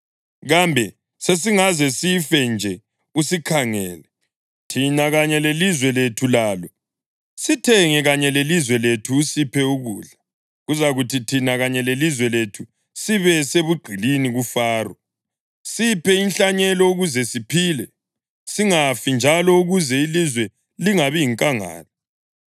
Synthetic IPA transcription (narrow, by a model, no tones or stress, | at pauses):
ɣambʱɛ | ses̬iŋazɛsifɛnd͡ʒʱɛ | usikʰaŋɛːlɛ | tʰinaɣaɲɛlelizwɛletʰulaːlɔ | sitʰɛŋɛɣaɲɛlelizwɛletʰuːsipʰɛuɣuːɮa | ɣuzaɣutʰitʰinaɣaɲɛlelizwɛletʰu | siβɛseβuɡ͡ǃʱiliniɣufaːrɔ | sipʰɛinɬaɲɛlɔuɣuzɛsipʰiːlɛ | siŋafind͡ʒʱalɔuɣuzɛilizwɛ | liŋaβiiŋkʼaŋa̰ːlɔ